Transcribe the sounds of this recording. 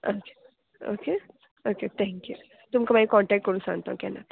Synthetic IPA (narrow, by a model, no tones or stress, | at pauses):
oːke̥ | o̰ːke | oːket̪ʰɛ̃ːŋkju | t̪ʊmkɐmajikɔːɳʈɛːk̚ʈkəɾũsa̰ːnt̪aɦũkɛːna̰